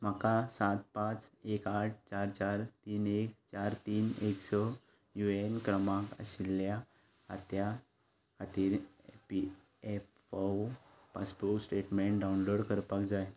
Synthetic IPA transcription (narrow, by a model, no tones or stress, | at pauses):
m̤akasat̪̚pãt͡sekaʈ̚ʰt͡ɕaɾt͡ɕaɾt̪iːnek̚t͡ɕaɾt̪iːneksɔ | juenkɾəmãkə̰ɕilːja | at̪jaː | t̪iɾ | pi | ef | faw | paspoɾksʈeʈmẽɳʈɖaunloɽkəɾpakd͡zaj